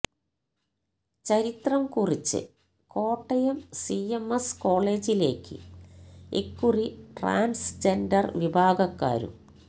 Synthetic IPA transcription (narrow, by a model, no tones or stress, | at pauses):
t͡ɕɐɾit̪rɐmkurit͡ɕːɨ̰ | ko̞ːʈːɐjemsiemesko̞ːɭe̞ːd͡ʑile̞ːkːɨ̰ | ḛkːuriʈra̰ːnsd͡ʑendɐrʋibʱaːɡɐkːa̰ːɾṵm